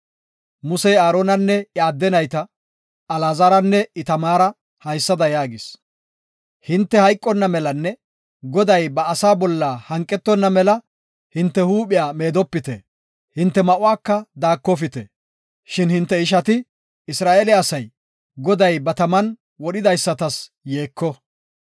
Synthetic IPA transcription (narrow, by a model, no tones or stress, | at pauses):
mʊsɛjaːɾoːnɐnːɛɪaːd̪ːɛnɐjt̪ɐ | ɐlaːzɐɾɐnːɛɪt̪ɐmaːɾɐ | hɐjsːɐd̪ɐjaːɡɪs | hɪnt̪ːɛhɐjkʼːɔnːɐmɛlɐnːɛ | ɡɔd̪ɐjbɐːsaːbɔlːaːhɐŋkʼːɛt̪ːɔnːɐmɛlɐ | hɪnt̪ːɛhuːɓɪjaːme̞ːd̪ɔpːɪt̪ɛ | hɪnt̪ːɛmɐʔʊwaːkːɐd̪aːkːɔfɪt̪ɛ | ʃɪnhɪnt̪ːɛɪʃ̬ɐt̪ɪ | ɪsɾaːʔeːlɪɐsɐj | ɡɔd̪ɐjbɐt̪ɐmɐn | wɔɗɪd̪ɐjsːɐt̪ɐs | jeːkːɔ